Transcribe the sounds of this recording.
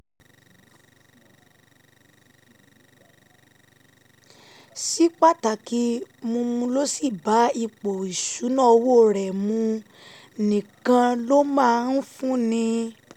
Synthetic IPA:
si˦k͡pa˦ta˨ki˧mũ˧mũ˧lo˦si˦˨ba˨˦i˧˨k͡po˨i˨ʃu˨˦nã˦˨˧wo˦˨ɾɛ˨mũ˧ | nĩ˨kã˧lo˦mãː˦˧˦n̩˦fũ˦nĩ˧

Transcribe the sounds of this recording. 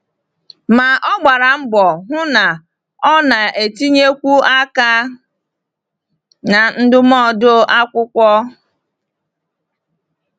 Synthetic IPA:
ma˨ʔɔ˦ɡ͡ba˨ɾa˨m̩˦bɔ˨ɦʊ˦na˨ | ɔ˦na˨ʔe˨ti˦ɲe˦kʷu˦a˦ka˦ | na˨n̩˦dʊ˦mɔ˦˨do˦a˦kʷʊ˦kʷɔ˦

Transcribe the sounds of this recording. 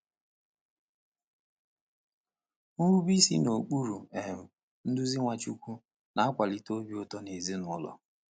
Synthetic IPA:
ŋu˦u˦bi˦sḭ˦no˨k͡pu˦ɾu˨e˨m̩˨ | n̩˦dʊ˦zi˦ŋʷa˨t͡ʃu˦kʷu˦ | na˨˦a˦kʷa˨li˨to˦bi˦o˦tɔ˦ne˨zi˦nʊ˨˦lɔ̰˨

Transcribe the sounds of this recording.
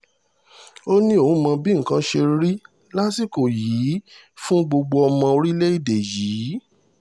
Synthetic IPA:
o˦nĩ˦o˦˨ũ˨˦mã˧bi˦ŋ̩˨kã˦ʃe˧ɾi˦ | la˦si˦˨ko˨jiː˨˦ | fũ˦ɡ͡bo˧ɡ͡bo˧ɔ˧mã˧o˧ɾi˦le˦i˦˨de˨jiː˨˦

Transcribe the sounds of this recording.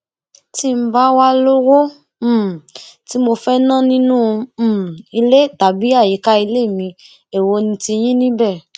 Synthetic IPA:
ti˦m̩˦ba˦wa˦lo˦wo˦˨ | ti˨˦mo˧fɛ˦nã˦nĩ˦nũ˦˧˦i˧le˦ta˨bi˨˦a˦˨je˨˦ka˦i˧le˦˨mĩ˧ | e˨wo˧nĩ˧ti˧j̃ĩ˦nĩ˦bɛ˦˨

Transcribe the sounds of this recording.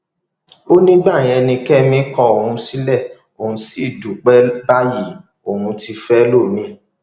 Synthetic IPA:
o˦nĩ˦ɡ͡ba˦˨j̃ɛ˧nĩ˧kɛ˦mĩ˦kɔ˧o˨ɾũ˧si˦lɛ˦˨ | o˨ũ˧si˦˨du˨k͡pɛ˦ba˦ji˦˨ | o˨ɾũ˧ti˧fɛ˦lo˦˨nĩ˧

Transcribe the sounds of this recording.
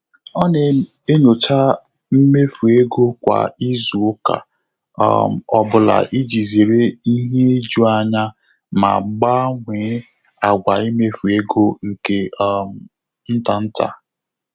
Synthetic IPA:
ɔ˦ne˨e˦ɲo˨t͡ʃa˦ | m̩˦me˦fu˨e˦ɡo˦kʷa̰˨i˦zu˨ʊ˦ka̰˨˦˨ | ɔ˨bʊ˨la̰˨ʔi˦d͡ʒi˨ze˨ɾe˦i˦ɦe˦d͡ʒu˦a˨ɲa˦ | ma̰˨ɡ͡ba˦ŋʷeː˨˦ | a˨ɡʷa˨i˦me˦fu˨e˦ɡo˦ŋ̩˨ke˦ | n̩˦ta˨n̩˦ta̰˨

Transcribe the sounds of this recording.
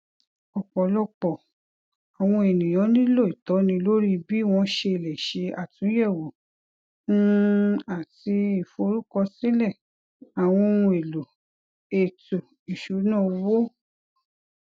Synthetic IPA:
ɔ˨k͡pɔ˨lɔ˧k͡pɔ˨ | a˨w̃ɔ̃˧e˨nĩ˨j̃ɔ̃˨˦nĩ˦lo˦˨i˨tɔ˨˦nĩ˧lo˦ɾi˦bi˦w̃ɔ̃˧ʃe˧˨lɛ˨ʃe˧a˨tũ˨˦jɛ˦˨wo˨ | n̩˦a˨ti˧i˨fo˧ɾu˦kɔ˧sĩ˦lɛ˦˨ | a˨w̃ɔ̃˧ũ˧e˨lo˨ | e˨tu˨ | i˨ʃu˨˦nã˦˨wo˦

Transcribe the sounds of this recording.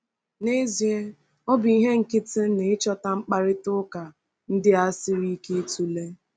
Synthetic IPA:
ne˦zje˦ | ɔ˦bi˦ɦe˦ŋ̩˨kɪ˦tɪ˦ne˨ɪ˦t͡ʃɔ˦ta˦ŋ͡m̩˦k͡pa˦ɾɪ˦tʊ˦ka˨ | n̩˦dɪ˦a˦sɪ˦ɾi˦ke˦e˦tu˦le˦

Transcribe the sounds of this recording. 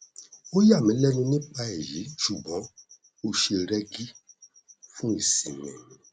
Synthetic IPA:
o˦ja˦˨mĩ˨˦lɛ˦nũ˧nĩ˦k͡pa˧ɛ˨ji˨˦ʃu˨bɔ̃˨˦ | o˧ʃe˧ɾɛ˦ɡi˦ | fũ˦i˦˨sĩ˨mɛ̰̃˨

